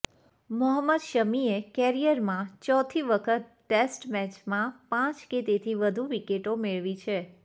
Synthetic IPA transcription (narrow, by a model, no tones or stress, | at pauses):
mɔɦəmːəd̪ʃəmiekɛɾijəɾmãt͡ʃɔt̪ʰiʋəkʰət̪̚ːesʈmɛt͡ʃmãpãt͡ʃket̪et̪ʰiʋəd̪ʱuʋikeʈomeɭʋit͡ʃʰe